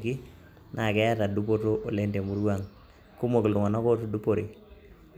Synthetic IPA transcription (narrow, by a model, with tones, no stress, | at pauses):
ki˦ | nʔa˨kɛ˦a˦ta˨du˦po˦to˦ʔo˨le˦nde˨mu˨ɾa˦˨ŋ | ku˦mo˨ki˨ldu˨ŋa˨na˦ko˦tu˨du˦po˨ɾi˨